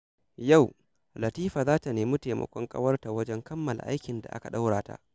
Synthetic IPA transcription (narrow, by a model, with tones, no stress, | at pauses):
ja˦˨w | lɐ˨tiː˦ɸaː˨zaː˦ta˨neː˨mu˦teː˨mɐ̰˦kʷɔ˦ŋkʼɐ̰˦wɐ˦rta˨wɐ˦d͡ʒɛ˦ŋkɐ˦mːɐ˨lʔa̰˦jkʲɪ˨nda̰˨ʔa̰˦ka˨ɗa˦wɽaː˨ta̰˦ʔ